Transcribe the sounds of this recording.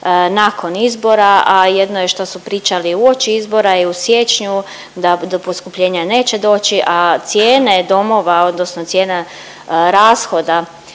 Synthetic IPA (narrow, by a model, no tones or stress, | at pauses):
naːko̞nizbo̞ɾaaje̞d̪nojeʃt̪osupɾiːt͡ʃaliuo̞t͡ʃiizbo̞ɾaeusje̞t͡ʃɲu | d̪ad̪opo̞skupʎeːɲane̞ːt͡ʃe̞d̪o̞ːt͡ɕiʔat̪sjeːne̞d̪o̞mo̞ʋao̞d̪nosno̞t̪je̞ːne | ɾaːsxo̞d̪a